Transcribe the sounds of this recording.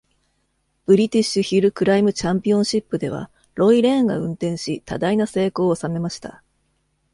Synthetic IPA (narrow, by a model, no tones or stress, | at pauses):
b̥ɯ̟ɾʲit̪ʲiɕɨçiɾɯ̟kɯ̟ɾaimɯ̟t͡ɕãmpʲiõ̞ɰ̃ɕipːɯ̟d̪e̞β̞a̰ | ɾo̞iɾe̞ãŋɡa̰ɯ̟̃nt̪ẽ̞ɰ̃ɕit̪a̰d̪ainase̞ːko̞ːsame̞maɕi̥t̪a̰